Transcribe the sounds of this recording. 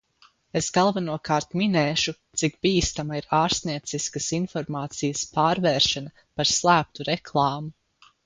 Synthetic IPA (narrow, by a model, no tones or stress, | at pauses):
esɡalˠvanuɔkaːɾt̪minɛːʃut̪sik̚b̥iːst̪amaiɾaːɾst̪niɛt̪siskɐsinfɔɾmaːt̪sijəspaːɾvɛːɾʃɛnɐ | paɾslˠæːp̚t̪uɾɛklˠɑːmu